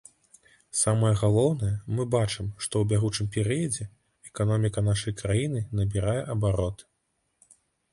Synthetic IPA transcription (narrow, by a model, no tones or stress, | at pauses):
samɐjɛɣalˠɔwnɐjɐmɨbat͡ʂɨmʂt̪ɔwbʲaɣut͡ʂɨmpʲɛɾɨjɐd͡zʲɛ | ɛkanɔmʲikɐnaʂɐjkɾajinɨnɐbʲiɾajɛʔɐbaɾɔt̪